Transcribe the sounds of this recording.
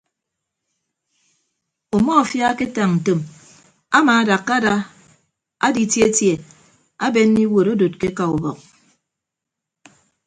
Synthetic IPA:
o˨mɔ˦a˨fja˦ke˦ta˨ŋn̩˨to˨m | a˦ma˨˦da˨kːa˦da˦ | a̰˦di˦tje˦tje˨ | a˦be˦ni˦wo˨ɾo˦do˨t̚ke˦ka˨u˨bɔ˨k̚

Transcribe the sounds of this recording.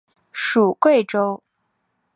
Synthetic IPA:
ʂu˨˩kwe˥˩ɪʈ͡ʂo˥ʊ

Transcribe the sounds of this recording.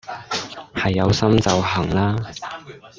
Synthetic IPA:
hɐ˨jːɐ˨˧wsɐ˥mt͡sɐ˨wɦɐ˨˩ŋlaː˥

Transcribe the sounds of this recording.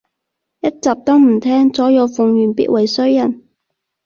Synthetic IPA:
jɐ˥t̚t͡saː˨p̚t̪ɔː˥ŋm̩˨˩t̪ʰɛː˥ŋt͡sɔː˨˥jo˨˧wfʊ˨ŋjyː˨˩npḭ˥t̚wɐ˨˩jsɵ˥ɥjɐ˨˩n

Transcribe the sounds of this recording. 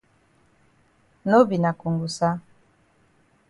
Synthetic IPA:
no˦bi˨na˨ku˨ŋɡu˨sa˦

